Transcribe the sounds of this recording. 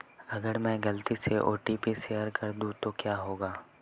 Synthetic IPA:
ɐɡəɾmɛ̃ːɡɐlt̪iseʔo̰ːʈiːpiseːjəɾkɐɾd̪ũt̪okjaːɦoːɡaː

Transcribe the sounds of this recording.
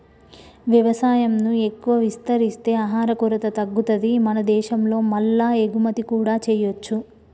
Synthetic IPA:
ʋjɐʋɐsaːjɐmnue̞kːuʋɐʋist̪ɐɾist̪e̞ːaɦaːɾɐkuɾɐt̪ɐt̪ɐɡːut̪ɐd̪imɐnɐd̪ɛːʃɐmlo̞ːmɐlːaːeɡumɐt̪ikuːɽaːt͡ʃɛːjot͡ʃːu

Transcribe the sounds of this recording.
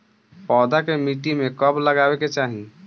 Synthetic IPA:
pɔːd̪akemiʈimekəbləɡaweket͡ʃaɦi

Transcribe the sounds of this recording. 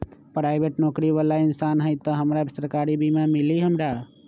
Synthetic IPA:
pɾaːɪbeʈnɔːkɾiʋəlaɪnsaːnɦəjt̪ɔɦəmɾasəɾkaːɾibʱimãmɪliɦəmɾa

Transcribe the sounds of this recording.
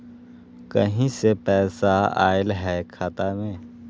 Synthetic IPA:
kɐ̰ɦĩsepɛːsaa̰ːɪlɦɛkʰaːt̪amẽː

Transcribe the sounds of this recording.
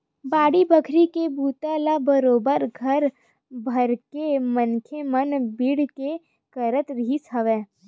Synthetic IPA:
baːɽibəkʰɾikebuːt̪alabəɾoːbəɾɡʱəɾ | bʱɐɾkemənkʰemənbiːɽke | kəɾət̪ɾɦisɐʋeː

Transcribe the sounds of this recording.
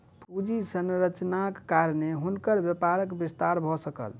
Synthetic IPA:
pud͡ʒisənɾət͡ʃnakːaɾneɦunkəɾbjepaɾəkbist̪aɾbʱɔsəkə̰l

